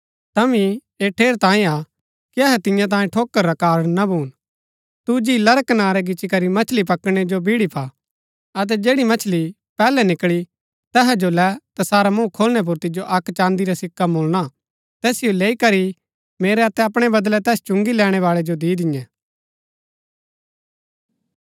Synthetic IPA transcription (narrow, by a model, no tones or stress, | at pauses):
t̪ɐmĩ | eːʈʰeːɾt̪ãːĩa | kiɐɦɛt̪ɪ̃jãt̪̬ãːĩʈʰoːkːəɾːɐkaːɾɽnabʱuːn | t̪ud͡ʒiːlɐɾəknaːɾɛɡɪt͡ʃikɐɾimɐt͡ʃʰlipɐkɽ̃ɛd͡ʒobʱɪɽipʰa | ɐt̪̬ɛd͡ʒeːɽimɐt͡ʃʰli | pɛːlɛnɪkɭi | t̪ɛɦɛd͡ʒolɛt̪asaːɾamũkʰoːlɽ̃ɛp̬ʊɾt̪ɪd͡ʒoʔɐkːt͡ʃãːnd̪iɾasɪkːamoːlɽ̃a | t̪ɛːsɪjoleːikɐɾi | meːɾɛɐt̪ɛɐpɽ̃ɛbɐd̪lɛt̪ɛːst͡ʃʊ̃ŋɡilɛːɽ̃ɛʋaːɭɛd͡ʒod̪iːd̪ɪjɛ̃